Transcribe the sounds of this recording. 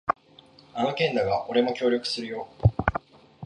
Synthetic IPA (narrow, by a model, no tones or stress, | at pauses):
ano̞kẽ̞nd̪aɡaʔo̞ɾe̞mo̞kʲo̞ːɾʲo̞kɯ̟̥sɨɾɯ̟jo̞ː